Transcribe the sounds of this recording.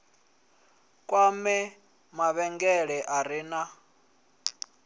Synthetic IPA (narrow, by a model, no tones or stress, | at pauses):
kʼwamɛ | maβɛŋɡɛɺɛʔaɾina